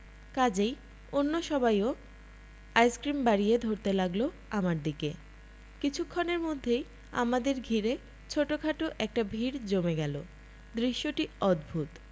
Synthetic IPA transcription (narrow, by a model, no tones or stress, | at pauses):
kad͡ʑej | onːoʃɔbajo | ajskɾimbaɾied̪ʱoɾt̪elaɡlo | amaɾd̪ike | kit͡ɕʰukʰːoneɾmod̪ʱːej | a̰mad̪eɾɡʱiɾe | t͡ɕʰoʈokʰaʈoʔɛk̚ʈabʱiɾd͡ʑomeɡɛlo̰ | d̪ɾiʃːoʈiɔd̪bʱut̪